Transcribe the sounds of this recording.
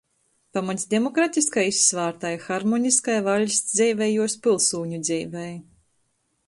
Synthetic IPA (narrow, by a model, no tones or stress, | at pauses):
pamat̪ʲsʲd̪ʲemɔkɾat̪ʲiskajisːvaːɾt̪ajxaɾmɔnʲiskajvalʲsd̪zʲɛjvʲɛjuɔspʲilˠsuːɲud̪zʲiːvɛj